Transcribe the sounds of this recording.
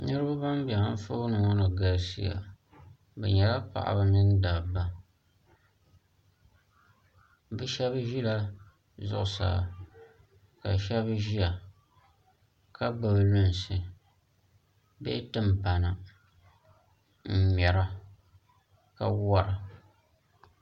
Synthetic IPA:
nɨ˦ɾɨ˦ba˦ba˦mbɛ˨ŋa˦n̩˦fo˦nɨ˨ŋɔ˦nɨ˨ɡa˨lsi˦ja̰˨ | bɛ̰˨ɲɛ˨la˦pa̰˨ʔa̰˨bɨ˦nɨ˦n˦da˨ba˦ | bɨ˦ʃɛ˦bʒi˦la˦ | zʊ̰˦˨ʔʊ˨sa̰ː˨ | ka˨ʃɛ˦βʒi˦a˨ | ka˦ba˨blʊ˦n˨sɨ˨ | bḛ˦tɨ˦m˨pa˨na˨ | m̩˨m˨ɛ˨ɾa˦ | ka˦wa˦ɾa˨

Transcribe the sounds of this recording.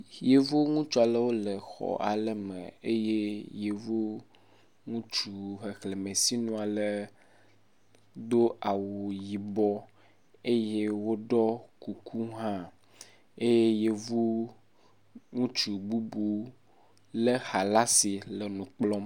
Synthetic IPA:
je˨vo˦ŋũ˦t͡ʃu˦a˨lə˦wo˦lə˨xɔ̰˨ʔa˨lə˦mə̰̃˨e˦je˦je˨vo˦ | ŋũ˦t͡ʃu˨xe˨xle˨mẽ˨si˦nũ˦a˨lə˦ | d̪o˦ʔa˨wo˨ji˨bɔ˦ | e˦je˦wo˦ɖɔ˦ku˨kʰu˦ɦã˦ | e˦je˦je˨vo˦ | ŋũ˦t͡ʃu˨bu˦bu˦ | lə˦xa˨la˦si˨lə˨nũ˨k͡plɔ˦m

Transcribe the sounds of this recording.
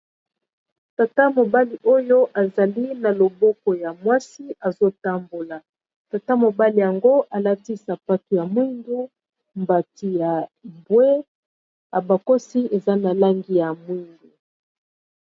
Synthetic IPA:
ta˨ta˦mo˨ba˦li˨ʔo˦jo˦ʔa˨za˨li˦na˨lo˨bɔ˦kɔ˨ja˨mwa˦si˦a˨zo˦ta˦mbo˨la˨ | ta˨ta˦mo˨ba˦li˨ja˨ŋɡo˦ʔa˨la˦ti˦sa˨pa˦tu˨ja˨mwi˦ndu˦ | mba˨ti˨ja˨bwe˦ | a˨ba˨ko˦si˦e˨za˦na˨la˦ŋɡi˦ja˨mwi˦ndu˨

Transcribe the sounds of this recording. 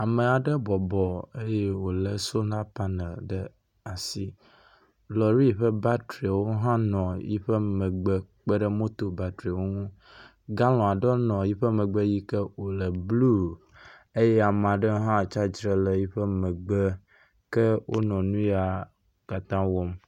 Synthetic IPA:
a˨mə˨a˨ɖə˦bɔ˨bɔ˨e˦je˦wo˨lə˨so˦nã˦pa˦nə˨ɖə˦ | a˨si˦ | lɔ˨ɾi˦˨ɸə˦ba˦tɾi˨wo˦ɦã˦nɔ̃˨jḭ˦ɸə˦mə̃˨ɡ͡bə˦k͡pə˦ɖə˦mõ˦t̪o˨ba˨t̪ɾi˨wo˦ŋũ˦ | ɡa˦lɔ̃˨a˨ɖɔ˦nɔ̃˨ji˦ɸə˦mə̃˨ɡ͡bə˦ji˦kə˦wo˨lə˨blu˦ | e˦je˦a˨mã˨ɖə˦ɦã˦˨t͡ʃa˦d͡ʒɾə˨lə˨ji˦ɸə˦mə̃˨ɡ͡bə˦ | kə˦wʔo̰˦nɔ̃˨nũ˦ja˨ | ka˨t̪ã˦wɔ˦m

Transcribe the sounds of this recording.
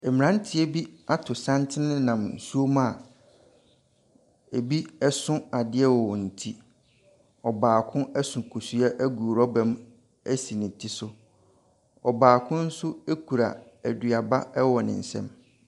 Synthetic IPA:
ɛ˨mɪ̃˨nã˦n̩˦tʰɪ˦e˦bi˦a˦tʰʊ˨sã˦ntʰɪ˦nɪ̃˦nã˨mn̩˨su˦o˦m̃˦a˨ | e˨bi˦ɛ˦sʊ̃˦a˨dɪ˦ɛ˦wɔ˨n̩˨tʰi˦ | ɔ˨baː˨kʰʊ̃˦ɛ˦sʊ̃˨kʰu˨su˨ɛ˦ʔæ˦ɡuː˨ɾɔ˦bɛ̃˨m | æ˦si˨nɪ̃˨tʰi˦sʊ˦ | ɔ˨baː˨kʰʊ̃˦n̩˦sʊ˦e˦kʰu˨ɾa̰˨ | æ˨dɥa˨ba˦ɛ˦wɔ˨nɪ̰̃˨n̩˨sɛ̰̃˦m

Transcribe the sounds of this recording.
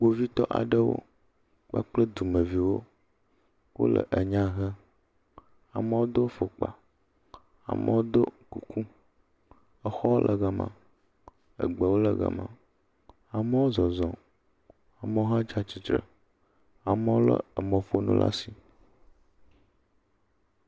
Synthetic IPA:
k͡po˨vi˦t̪ɔ˦ʔa̰˨ɖə˦wo̰˦ | k͡pa̰˦k͡plə˦d̪u˨mə˨vi˨wo˦ | wo̰˦lə̰˨ʔə˨ɲã˦ɣɛ˦ | a˨mə˦wo˦d̪o˦fo˨k͡pa̰˨ | a̰˨mə˦wo˦d̪o˦ku˨ku˦ | ə˦xɔ˦wo˦lʔə˨ɣə˨mã̰˨ | ə̰˨ɡ͡bə˨wo˦lə˨ɡə̰˨mã̰˨ | a˨me˦wo˦zɔ˨zɔ̃˨ | a˨me˦wo˦ɦã˦d͡ʒa˦t͡ʃi˨t̪ɾə̰˨ | a˨mə˦wo˦lə̰˦ə˨mə̃˨fo˦nṵ̃˦lʔa̰˦si˨

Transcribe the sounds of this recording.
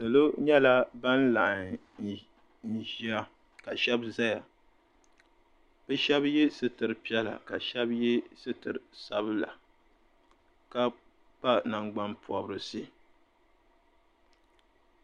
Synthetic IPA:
so˨lo˦ɲɛ˦la˦ba˦n˦la˨ʔ | n˨ | n̩˨ʒi˨˦a˦ | ka˨ʃɛ˦bza˦ja˨ | b̥ɛ˦ʃɛ˦bjɛ˦sɨ˦tɨ˨ɾɨ˨pi˦ɛ˦la̰˨ka˨ʃɛ˦bjɛ˦sɨ˦tɨ˨ɾɨ˨sa˦bɨ˦la̰˨ | ka˦ | pa˦na˨ŋɡ͡ba˦npu˨ɔ˨bɾɨ˦si˦

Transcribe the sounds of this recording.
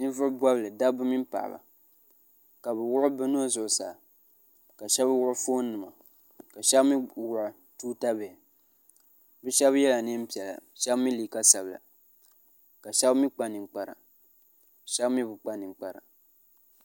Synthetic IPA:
nɨ˦vʊ˦ba˦blɨ˨da˦bɨ˦mi˦m˦pa̰˨ʔba̰˨ | ka˨bɨ˨wʊ˦ʔʊ˦bɛ˦nu˦o˦zʊ˨ʔʊ˨sa̰ː˨ | ka˨ʃɛ˦bwʊ˦ʔʊ˦fo˦n˦nɨ˨ma˨ | ka˨ʃɛ˦bmi˦wʊ˨ʔʊ˨ | tuː˦ta˦bɛ˨ | bɛ˦ʃɛ˦bjɛ˦la˨nɨ˦m̩˦pi˨ɛ˨la̰˨ʃɛ˦bmi˦liː˨ka˦sa˨bla̰˨ | ka˨ʃɛ˦bmi˦k͡pa˨nɨ˨k͡pa˨ɾa̰˨ | ʃɛ˦bmi˦bʊ˨k͡pa˨nɨ˨ŋ˨k͡pa˨ɾa̰˨

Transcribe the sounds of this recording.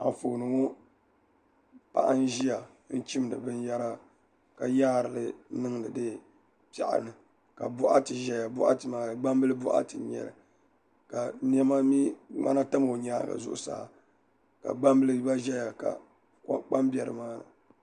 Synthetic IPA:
a̰˨fo˨nɨ˨ŋo˦ | pa̰˦ʔa˦n̩˦ʒi˦ja˨ | n̩˦t͡ʃi˦m˨nɨ̰˨bɨ˦nja˦ɾa˦ | ka˨jaː˦˨ɾɨ˨lɨ˨nɨ˦ŋnɨ˨dɨ˦ | pa̰˨ʔa̰˨nɨ˨ | ka˨bʊ˦ʔa̰˦tɨ˨ʒɛ˦ja˨bʊ˦ʔa̰˦tɨ˨maː˦˨ɡ͡ba˦mbɨ˦lɨ˦bʊ˦ʔa̰˦tɨ˨ɲɛ̰˨lɨ̰˨ | ka˨n˦ɛ˦ma˦mi˦ŋa̰˦na˦ta˦m˨o˨ɲaː˦˨ɡa̰˨zʊ̰˦ʔʊ̰˨sa̰ː˦ | ka̰˨ɡ͡ba˦mbɨ˦lɨ˦ba˦ʒɛ˦ja˨ka̰˨ | kk͡pa˦mbɛ˨ɾɨ̰˨maː˦nɨ̰˨

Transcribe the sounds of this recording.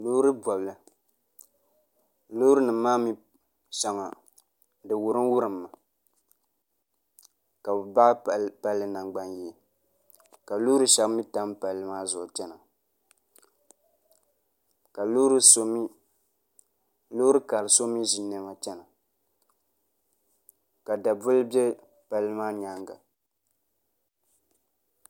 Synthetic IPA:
lo˦ɾɨ˦bɔ˨bla˨ | lo˦ɾɨ˦nɨː˨˦aː˦mi˦ | ʃa˨ŋa˨ | dɨ˨wʊ˨ɾɨ˦n˦wʊ˦ɾɨ˨mːa˨ | ka˨bɨ˨ba˦ʔpa˦lːɨ˦na˨ŋɡ͡ba˦njɛ˨ | ka˨lo˦ɾɨ˦ʃa˦kmi˦ta˦mpa˨lːɨ˦maː˦zʊ˨ʔt͡ʃɛ˦na˨ | ka˨lu˦ɾso˦m˦ | lo˦ɾɨ˦ka˨lɨ˨so˦mi˦ʒi˨nɛ˦ma˨t͡ʃɛ˦na˨ | ka˨da˨bʊ˦lɨ˦bjɛ˦ | pa˨lːɨ˦maː˦ɲa˦ŋɡa̰˨

